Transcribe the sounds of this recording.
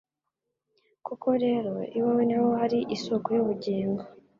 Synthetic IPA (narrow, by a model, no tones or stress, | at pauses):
kuko̞ɾe̞ːɾo̞iwawenewohaɾiʔisokojoβuɟeːŋɡo